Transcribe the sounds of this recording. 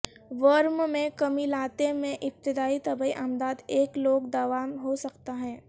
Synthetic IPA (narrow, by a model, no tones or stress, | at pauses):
ʋəɾmmẽkɐmilaːt̪emẽʔɪp̚t̪ɪd̪aːit̪ɐbəiʔaːmd̪aːd̪eːkloːɡd̪aʋaːmɦosɐkt̪aɦɛ̃ː